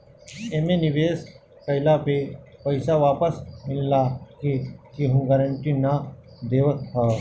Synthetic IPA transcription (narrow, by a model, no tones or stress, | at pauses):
emẽniʋeːs | kəɪlapepəɪsaʋaːpəsmɪlːakikiɦũɡaɾə̃ɳʈina | d̪eːʋət̪̚ɦa